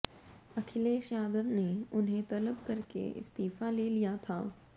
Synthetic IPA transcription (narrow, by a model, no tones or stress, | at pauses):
ɐkʰɪleʃaːd̪əɾneʊnɦẽt̪ɐləbkɐɾkḛɪ̰st̪iːfaleːlijat̪ʰa̰ː